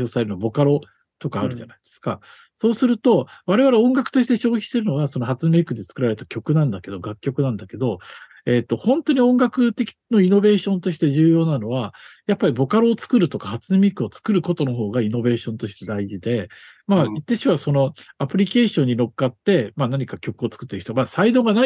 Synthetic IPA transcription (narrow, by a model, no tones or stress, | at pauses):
o̞ːsaɾe̞ɾɯbo̞kaɾo̞ | t̪o̞kaːɾɯ̟ʑanaid̪̥e̞sɨ̥ka̰ | so̞ːsɨɾɯ̟t̪o̞βaɾe̞β̞aɾeõ̞ŋɡakɯ̥t̪oɕit̪e̞ɕo̞ːçi̥ɕt̪e̞ɾɯno̞ɡaso̞nohat͡sɨmeːkɯ̟d̪e̞t͡sɨ̥kɯ̟ɾaɾet̪akʲo̞kɯ̟nãnd̪ake̞d̪o̞ɡakʲːo̞kɯ̟nãnd̪ake̞d̪o̞ | e̞t̪ːohõ̞nt̪o̞ɲ̟iõ̞ŋɡakɯ̟t̪e̞kʲi̥no̞ino̞be̞ːɕõ̞nt̪o̞ɕ̬i̥t̪e̞ʑɨːjo̞ːnano̞βajapːaɾʲibo̞kaɾoːt͡sɨ̥kɯɾɯ̟t̪o̞kahat͡sɨmʲekɯ̟ot͡sɨ̥kɯɾɯ̟ko̞t̪o̞noɦo̞ːɡaino̞be̞ːɕõ̞nt̪o̞ɕi̥t̪e̞d̪aiʑid̪e̞ | mait̪ːeɕiβaso̞no̞apɯ̟ɾʲike̞ːɕõ̞ɲ̟ːino̞kːat̪ːe̞manaɲ̟ikakʲo̞kɯo̞t͡sɨ̥kɯ̟t̪ːeɯ̟ç̥it̪oamaːsaid̪o̞ːŋɡana